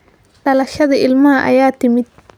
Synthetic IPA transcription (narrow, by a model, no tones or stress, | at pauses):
ɖɐlɐʃɐðɐɪlmɐhɐʔɐ̰jaːt̪ɪmɪd̪̚